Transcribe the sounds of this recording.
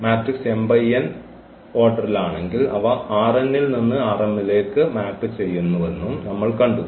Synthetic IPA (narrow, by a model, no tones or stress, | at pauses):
maːʈrikse̞mbɐjɐn | oːʈːɐrilaːɳe̞ŋɡilɐʋɐaːrenːilninːɨaːrenːile̞ːkːɨmaːpːɨt͡ɕe̞jːunːuʋe̞nːumnɐmːɐɭkɐɳɖu